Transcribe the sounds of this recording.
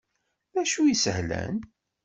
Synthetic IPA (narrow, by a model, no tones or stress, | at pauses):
mæʃujisəhlæ̰n